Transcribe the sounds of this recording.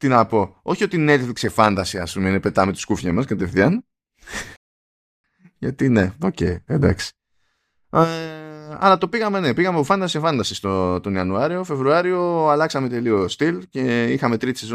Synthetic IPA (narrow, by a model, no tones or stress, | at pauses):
t̪inɐpo̞o̞çio̞t̪inet̪fiksefɐnd̪ɐsiɐ̰spume̞inepe̞t̪ɐmet̪i̥skufçɐmɐskɐt̪e̞fθijɐn | ʝɐt̪ine̞ocḛjed̪ɐ̰ksi̥ | ɐ̰lɐt̪o̞piɣɐmene̞piɣɐmepofɐnd̪ɐsiefɐnd̪ɐsist̪ot̪o̞niɐnuɐɾio̞fe̞vɾuɐɾio̞ɐlɐksɐme̞t̪e̞lio̞st̪ilce̞ixɐme̞t̪ɾit̪i̥sezo